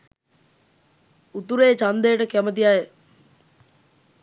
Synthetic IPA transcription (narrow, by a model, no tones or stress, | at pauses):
ut̪uɾeːt͡ʃand̪ejːʈəkæmət̪̬ijaj